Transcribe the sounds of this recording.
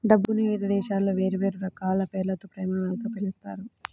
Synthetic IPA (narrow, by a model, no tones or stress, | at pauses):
ɖɐbːuniʋid̪ɐd̪ɛːʃaːlːoːʋe̞ːɾuʋe̞ːɾuɾɐkaːlɐpɛːɾlɐt̪oːpɾɛːmɐʋalɐt̪oːpeɭist̪a̰ːɾu